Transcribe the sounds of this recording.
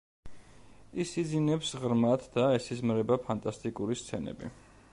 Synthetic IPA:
isid̪zinɛpsʁɾmat̪ʰd̪aɛsizmɾɛbapʰant̪ʼast̪ʼikʼuɾist̪sʰɛnɛ̰bḭ

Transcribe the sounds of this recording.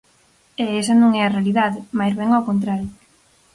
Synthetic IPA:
eesɐnõŋɛarealiðaðɪmajzβɛŋawkont̪̬ɾaɾjo

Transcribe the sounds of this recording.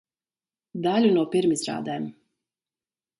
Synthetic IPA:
d̪alʲunuɔpiɾmizɾa̰ːd̪ɛm

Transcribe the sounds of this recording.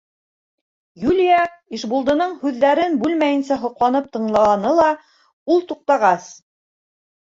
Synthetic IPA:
julʲijɑiʃbulˠd̪ɤ̆nɤɴhʉðːæɾɘnbʉlmæjɘ̆nsæɦŏqlˠɑnɤp̚t̪ɤ̆ɴlˠɑɑnɤlˠɑ | ulˠt̪uq̚t̪ɑʁɑs

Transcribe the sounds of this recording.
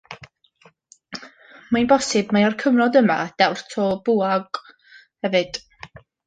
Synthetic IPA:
manbɔsɨbmaarkʰəmnɔdəma̰d̥ɛwrtʰɔb̥uːaɡ | hɛvɨd̥

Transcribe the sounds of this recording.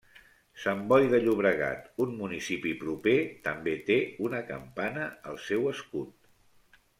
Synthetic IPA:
səmbɔjðəʎuβɾəɣa̰t̪unmunisipipɾupet̪əmbet̪eunəkə̰mpanəəlˠsɛwəskut̪̚

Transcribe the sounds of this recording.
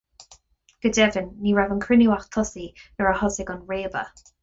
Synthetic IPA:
ɡ̥ədɛvɪnːiːɹɛvənkʰɹ̥ɪnjuwaχtʰɔsiəɹahɔsɪɡɔnɹeːbə̰

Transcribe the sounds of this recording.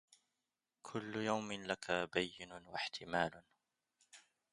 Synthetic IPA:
kʰʊlːʊjawmɪnlakʰabajːɪnʊwaħt̪ʰɪmaːlʊ

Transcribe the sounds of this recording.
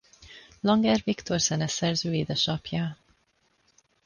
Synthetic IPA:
lɒŋɡɛrvikt̪o̞rz̥ɛnɛsɛrzøːeːd̪ɛʃɒpjɒ

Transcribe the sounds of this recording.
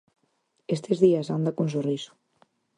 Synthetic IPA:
est̪ezðiazand̪akons̬orisu̥

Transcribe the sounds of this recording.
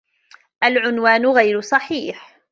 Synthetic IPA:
ʔalʕʊnwaːnʊɣajɾʊsˤɑħiːħ

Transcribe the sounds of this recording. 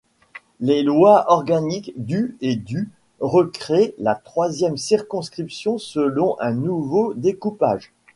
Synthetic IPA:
lelwaʔɔʁɡanikd̪yed̪y | ʁəkχelat̪χwazjɛmsiʁkɔ̃skχipsjɔ̃səlɔ̃ʔɛ̃nuvod̪ekupa̰ːʒ

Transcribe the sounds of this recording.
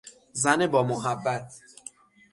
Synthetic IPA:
zænebɒːmoɦæbːæt̪ʰ

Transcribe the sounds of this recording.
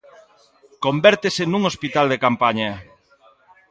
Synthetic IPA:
kombɛɾt̪esenũŋospit̪ald̪ekampaɲɐ

